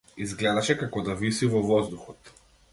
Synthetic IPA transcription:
izɡlɛd̪aʃɛkakɔd̪avisivɔvɔzd̪uxɔt̪

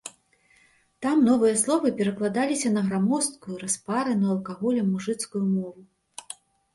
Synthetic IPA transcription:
t̪amnɔvɨjɐslˠɔvɨpʲɛɾɐklˠad̪alʲisʲɐnɐɣɾamɔst̪̚kujuɾaspaɾɨnuɐlˠkaɣɔlʲɐmːuʐɨt̪skujumɔvu

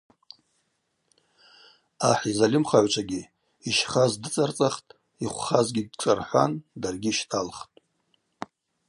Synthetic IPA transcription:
aħizalɪmχaʕʷt͡ʃʷʰaɡʲi | iʃχazdɨt͡sʼart͡sʼaχtʼ | iχʷχazɡʲiɡʈ͡ʂʼarħʷa̰ndarɡʲiʃtʰalχtʼ

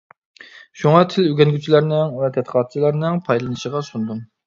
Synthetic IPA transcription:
ʃuŋɑt̪ʰɪlyɡʲɛnɡʲyt͡ʃʰilæɾnɪŋvɛt̪ʰɛt̪qʰɑt̪̚t͡ʃʰilˠɑɾnɨŋpʰɑjlˠɨnɨʃəʁɑsund̪un

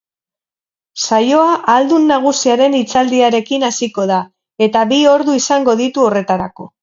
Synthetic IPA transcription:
sajo̞aʔald̪unːaɣ̞usiaɾe̞nit͡sald̪iaɾe̞kinasiko̞ð̞a | e̞t̪abio̞ɾðuisaŋɡo̞ðit̪uo̞re̞t̪aɾako̞

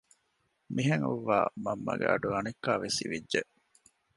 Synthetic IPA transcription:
miɦeŋuʋːa̰ːmɐmːɐ̰ɡeʔɐɖuɐnekːaːʋesiʋidʒeʔ

